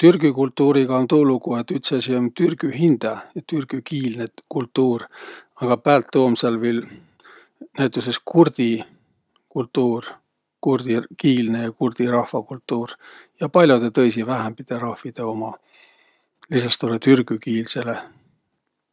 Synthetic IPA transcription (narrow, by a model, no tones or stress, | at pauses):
t̪yrɡ̥ykult̪ˑːuːɾiɡ̥ɑont̪uːluɡ̥ue̞t̪ːˑyt̪sesiont̪yrɡ̥yhind̪̥ɑɑt̪yrɡ̥ykiːlnekult̪ˑːuːrɑɡ̥ɑpæːlt̪ːoːmselviːl | næjt̪ːˑuse̞skurd̪̥i | kult̪ːuːr | kurd̪̥ikiːlne̞jɑkurd̪̥irɑhfɑkult̪ːˑuːrjɑpɑlʲjod̪et̪ɤ̞jsivæɦæmpit̪eɾɑhvid̪̥e̞o̞mɑ | lisɑst̪olet̪yrɡ̥ykiːlse̞le